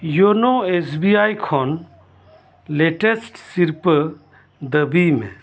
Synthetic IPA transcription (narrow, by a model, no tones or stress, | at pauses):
jonoesbiaːjkʰon | leʈesʈsiɾp | d̪əbimḛ̃